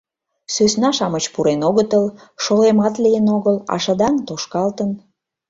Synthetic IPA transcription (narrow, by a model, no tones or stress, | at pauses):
søsnɑʃɑmət͡ɕpuɾenoɣət̪əlʃolemɑt̪lijənoɣəlɑ̰ʃəd̪ɑŋt̪oʃkɑlt̪ən